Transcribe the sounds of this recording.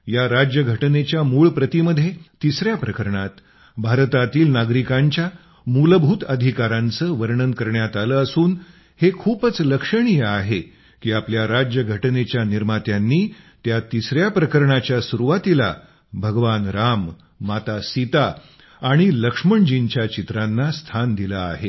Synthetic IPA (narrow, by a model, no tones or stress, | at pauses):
jaɾad͡ʑjəɡʱəʈnet͡ɕjamuːɭpɾət̪iməd̪ʱːjet̪isɾjapɾəkəɾɳat̪ | bʱaɾt̪at̪iːlnaɡɾikaɲt͡ɕja | muləbʱut̪əd̪ʱikaɾãnt͡səːʋəɾɳənkəɾɳjat̪aləːsuːn | hekʰuːpət͡sləkʂəɳ̃ijəaɦe | kiːapljaɾad͡ʑjəɡʱəʈnet͡ɕjaniɾmat̪janːiːt̪jat̪isɾjapɾəkəɾɳat͡ɕjasuɾuʋat̪ila̰ | bʱəɡʋanɾamː | at̪asit̪aː | ɽ̃iləkʂməɳd͡ʑiɲt͡ɕjat͡ɕit̪ɾanːast̪ʰand̪iləa̰ɦe